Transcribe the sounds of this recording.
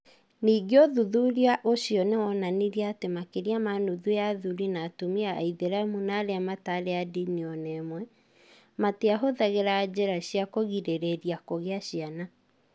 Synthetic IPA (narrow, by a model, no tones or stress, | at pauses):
niːɡeoðuðuɾiaʔoɕiɔnewɔnaniɾiaːtemakeɾiamanuðuaðuɾinaːtomia̰iðeɾamunaːɾeamataɾeadiniɔnɛmwɛ | mateaɦoðaɣeɾaːd͡ʑeɾaɕiakoɣiɾeɾeɾiakoɣeaɕiana